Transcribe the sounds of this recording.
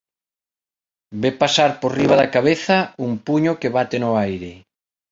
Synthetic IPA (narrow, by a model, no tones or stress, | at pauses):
bepasaɾpoɾriβaðakaβeθɐuŋpuɲokeβat̪enʊajɾɪ